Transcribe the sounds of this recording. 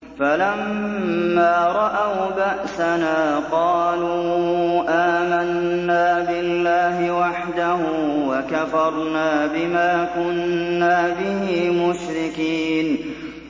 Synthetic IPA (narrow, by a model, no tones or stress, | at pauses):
falamː | aːɾˤɑʔawbaʔsanaːqɑːluːʔaːmanːaːbɪlːaːɦɪwaħd̪ahʊwakafɑɾˤnaːbɪmaːkʊnːaːbɪhiːmʊʃɾɪkiːn